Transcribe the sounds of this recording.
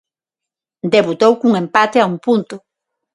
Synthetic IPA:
d̪eβut̪owkuŋẽmpat̪eaumpunt̪ʊ

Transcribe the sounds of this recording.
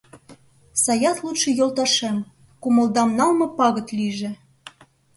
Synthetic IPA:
sɑjɑθlˠut̪ʃɤ̆jolt̪ɑʃem | kumɤ̆ld̪ɑmnɑlmɤ̆pɑɣɤ̆t̪liʒĕ

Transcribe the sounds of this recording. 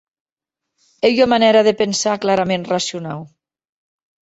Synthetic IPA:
ejomanɛɾaðepensaklaɾamẽnrasjunaw

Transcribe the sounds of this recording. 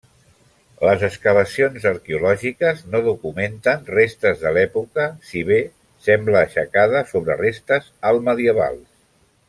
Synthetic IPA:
ləzəskəβ̞əsionzəɾkeulɔʒikəznoðukument̪ənrest̪əzðəlɛpukəsiβe | sɛmbləːʃəkaðəsoβɾə̰rest̪əzəlˠməðiəβa̰lˠ

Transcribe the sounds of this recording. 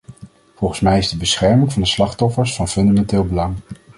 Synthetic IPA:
v̥ɔlˠχənsmɛjɪzdəbəsχɛɹmɪŋvɑndəslɑχtɔfəɹsfɑnfɵndamɛntɪːlˠbəlɑŋ

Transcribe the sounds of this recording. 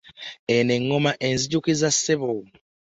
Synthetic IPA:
eneŋːomaʔenziɟukizasːeβo

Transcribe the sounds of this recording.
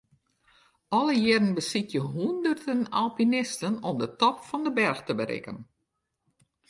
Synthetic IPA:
ɔlˠəjɪdən̩bəsitjəɦundərdənalˠpinɪstənɔmdətɔpfɔndəbɛrxtəbəɾɪ̰kə̰n

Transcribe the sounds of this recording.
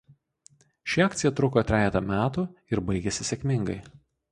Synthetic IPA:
ʃʲɪɑːkt̪sʲɪjɛt̪ɾʊkot̪ʲɾʲæːjʲɛt̪ɐmʲæːt̪uɪɾbɐɪɡʲɛsʲɪsʲɛkʲmʲɪŋɡɐɪ

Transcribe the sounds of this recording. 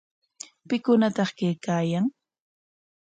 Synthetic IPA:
pɪkʊnat̪ɑχkejkaːjaŋ

